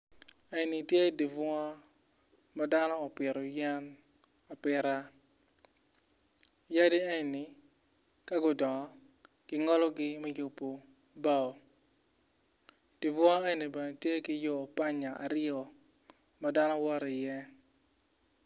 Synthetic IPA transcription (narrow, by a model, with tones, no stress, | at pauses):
ɛ˨ni˨tje˦di˨vwa˦ | ma˦da˦nɔː˦˨pɪ˨ɾɔ˨jɛ˦n | a˨pɪ˨ɾa˦ | ja˦di˦ɛ˦˨nɪ˨ | ka˦ɡʊ˨dɔ˨˦ | kɪ˦ŋɔ˦lɔ˦ɡɪ˦mɛ˦jo˨pːo˨ | ba˦˨o˨ | d̥i˨vwɔ˦e˦ni˨bɛ˨ne˨tje˦kɪ˦jo˦˨pa˦ɲa˨ʔa̰˨ɾɪ˦ɔ˨ | ma˨da˦nɔ˦wɔ˦ɾɪ˨jɛ˦